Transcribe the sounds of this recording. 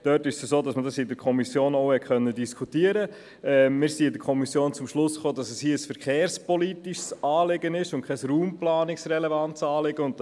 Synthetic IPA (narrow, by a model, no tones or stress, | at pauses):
d̥œtɪʃsəsoːdɑsmədɑsɪdəɾkʰɔmisjoːnɔʊhɛt̚χœnːədiskʰutiəɾə | ɛmɪːɾsiːɪdəɾkʰɔmisjoːnt͡sʊmʃlʊsχoːdɑsɛshiəəsfəɾχeːɾspɔlitiʃsɑːlɪɡənɪʃʊntkʰχɛsruːmplɑːnɪksrɛlɛvɑntsɑːlɪɡ̥əʊnt